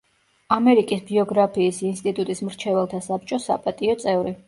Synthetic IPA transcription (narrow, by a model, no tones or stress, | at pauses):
amɛɾikʼisbiɔɡɾapʰiːsinst̪ʼit̪ʼut̪ʼismɾt͡ʃʰɛvɛlˠt̪ʰasap̚t͡ʃʼɔsapʼat̪ʼiɔt̪sʼɛvɾi